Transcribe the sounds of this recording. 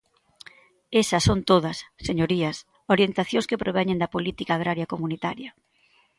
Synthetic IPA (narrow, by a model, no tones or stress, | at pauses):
esɐsːont̪oðɐsːeɲoɾiɐs | oɾjent̪aθjõŋskepɾoβɛɲẽnd̪ɐpolit̪ikaːɣ̞ɾaɾjɐkomunit̪aɾjɐ